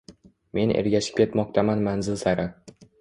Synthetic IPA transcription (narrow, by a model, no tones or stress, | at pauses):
me̞nḛɾɡʲaʃɪ̥p̚kʲʰe̞t̪mɒq̚t̪ʰamanmanzɪlsaɾa